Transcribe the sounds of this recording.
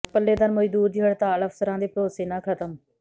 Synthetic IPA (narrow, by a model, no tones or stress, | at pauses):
pəlːeːd̪ənməd͡ʒd̪uːɾd͡ʒɪəɽt̪ãːləfʰsəɾãːd̪iːpɾoːsiːnãːkʰət̪əm